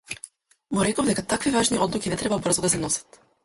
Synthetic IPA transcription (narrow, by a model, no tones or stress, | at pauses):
muɾɛkɔvd̪ɛkat̪akvivaʒniʔɔd̪lˠukʲinɛt̪ɾɛbabr̩zɔd̪asɛnɔsḁt̪